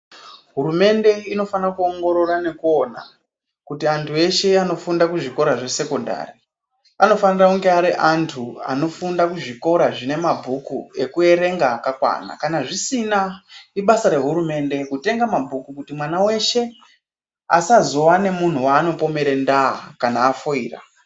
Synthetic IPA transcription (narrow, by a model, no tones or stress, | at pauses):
ɦuɾume̞nde̞ino̞fanakuoŋɡo̞ɾo̞rane̞kuo̞na̰ | kutiantʰue̞ʃe̞ano̞fundakuʐiko̞ɾaʐe̞se̞konda̰ːri | ano̞fanirauŋɡeaɾiʔantʰua̰no̞fundakuʐiko̞ɾaʐine̞mabʱukṵe̞kue̞ɾe̞ŋɡaːkakwa̰na̰kanaʐisinaiɓasaɾe̞ɦuɾume̞nde̞kute̞ŋɡamabʱukukutimwanawe̞ʃe̞ | a̰sazowane̞mun̤uwaːno̞po̞me̞ɾendaa̰kanaːfoiːra̰